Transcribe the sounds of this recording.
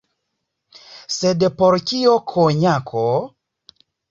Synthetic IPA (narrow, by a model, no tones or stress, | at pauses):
sedpoɾkiokʰoɲakʰo